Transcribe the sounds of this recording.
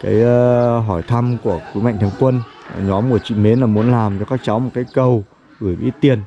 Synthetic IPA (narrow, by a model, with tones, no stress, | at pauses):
ka̰ː˨˦jɦɔ˧˩jt̪ʰa˧mku˧˩əkwi˨˦ma̰˧˨ŋt̪ʰi˧əŋkwə˧n˨˩ɲɔ˨˦mːu˧˩ət͡ɕḭ˧˨me˨˦nlaː˨˩mu˨˦ənlaː˨˩mt͡ɕɔ˧kaː˦˥k̚t͡ɕa˨˦wmo˨˩t̚kaː˨˦jkə˧w | ɣɨ˧˩jɓḭ˨˦˥t̪i˨˩ən